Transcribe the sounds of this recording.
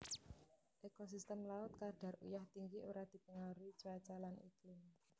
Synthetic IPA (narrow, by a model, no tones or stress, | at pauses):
ʔekos̬ist̪əmlaʊt̪̚karɖ̥a̤rujaht̪iŋɡiʔuɾad̪̥i̤pəŋaɾuit͡ʃat͡ʃalanḭklim